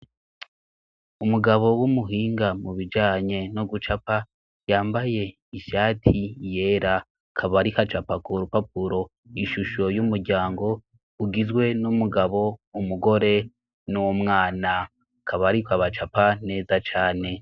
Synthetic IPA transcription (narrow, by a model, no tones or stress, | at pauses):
umuɡaβo̞wumuɦiːŋɡamuβid͡ʒaːɲe̞noɡut͡ʃapa | jaːmbaje̞ | iʃaːtʰije̞ːɾa | kʰaβaɾikat͡ʃapakuɾupap̚uɾo̞ | iʃuʃo̞jumuɾɟaːŋɡo̞ | uɡizɡwe̞numuɡaβo̞umuɡo̞ɾe̞ | nuwomŋaːna | kʰaβaɾikaβat͡ʃapane̞ːzat͡ʃaːne̞